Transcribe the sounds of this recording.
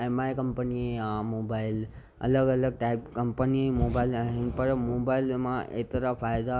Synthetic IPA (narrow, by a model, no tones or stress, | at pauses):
emaːekɐmpənieãmoːbaːɪl | ɐ̰ləɡɐləɡ̚ʈaɪpkɐmpəniemoːbaːɪlaːɦɪnpɐɾmoːbaːɪlmãʔḛːt̪ɾafaːjd̪a